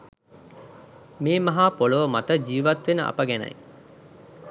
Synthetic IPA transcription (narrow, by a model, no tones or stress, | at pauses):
meːmɐɦaːpoləʋəmɐt̪əd͡ʒiːʋɐt̪ʋenəʔɐ̰pəɡænɐ̰j